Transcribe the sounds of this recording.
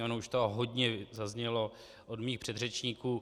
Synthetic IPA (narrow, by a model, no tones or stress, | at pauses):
onouʃt̪oɦodɲɛzazɲɛlo̞ | ʔodmiːxpr̝̥ɛd̪rɛt͡ʃɲiːkuː